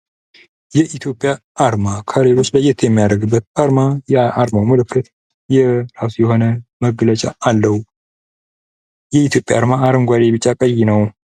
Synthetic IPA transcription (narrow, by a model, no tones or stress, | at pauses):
jɛʔit̪ʰjo̞pʼːjaː | ɾmakʰaɾeɾoslajːɛt̪ʰjɛmːijad̪əɡɨbːət̪̚aɾmajɛʔaɾmawməlɨkʰːɨt̪ | jɛɾasujɛho̞nəməɡlət͡ʃʼaalːəw | jɛit̪ʰjo̞pʼja̰aɾmaːɾɨŋɡʷad̪eβɨt͡ʃʼːakʼəjːɪnəw